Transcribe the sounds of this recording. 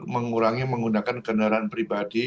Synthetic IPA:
məŋuɾaŋiməŋɡunakankənaɾanpɾibadi

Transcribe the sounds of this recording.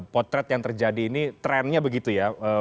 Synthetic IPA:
pɔt̪ɾɛt̪jaŋt̪ərd͡ʒadiːnit̪ɾɛnɲabəɡit̪ujaəː

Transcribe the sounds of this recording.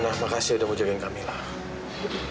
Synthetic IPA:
nahmakasiudakud͡ʒakɪnkamilah

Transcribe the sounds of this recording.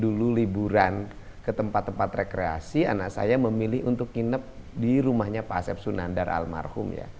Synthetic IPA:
dululibuɾan | kət̪əmpat̪ːəmpat̪rekɾea̰sianaʔsa̰jaməmilɪɦunt̪ʊkːinəp̚ | diɾumahɲapasɛp̚sunandarʔa̰lma̰rhʊmja̰

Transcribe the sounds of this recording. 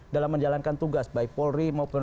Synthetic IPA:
dalamːəɲd͡ʒalankant̪uɡasbaik̚pɔlrimaupə

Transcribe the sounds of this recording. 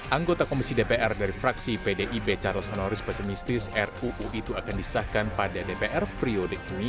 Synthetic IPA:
ʔaŋɡot̪akomisidepeʔɛrdaɾifɾaksipedeʔibet͡ʃarlshonɔɾɪspɛsimist̪ɪsɛruʔuʔit̪uakandisə̥sahkanpadadepeʔɛrpɾiodəini

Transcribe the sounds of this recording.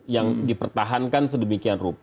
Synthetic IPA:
jaŋdipərt̪aɦankansədəmikianrup

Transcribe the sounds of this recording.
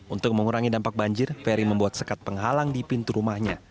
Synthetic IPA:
unt̪ʊk̚məŋuɾaŋidampak̚baɲd͡ʒɪrfeɾiməmbuat̪̚səkat̪̚pəŋɦalaŋdipint̪uɾumahɲa

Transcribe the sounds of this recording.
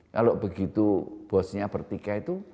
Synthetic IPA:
kaloʔbəɡit̪ub̥ɔsɲapərt̪ikait̪u

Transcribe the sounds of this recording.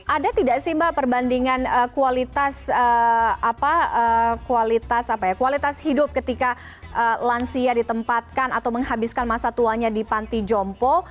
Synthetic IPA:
ʔadat̪idaʔsimbapərbandiŋanəkualit̪asəapaəkualit̪asapajakualit̪ashidʊp̚kət̪ika | ʔəlansiadit̪əmpat̪̚kanat̪awməŋɦabɪskanmasat̪uaɲadipant̪id͡ʒɔmpɔ

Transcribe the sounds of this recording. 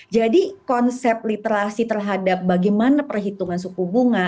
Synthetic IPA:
d͡ʒadikɔnsɛp̚lit̪eɾasit̪ərɦadap̚baɡɛjmanapərɦit̪uŋansukubuŋa

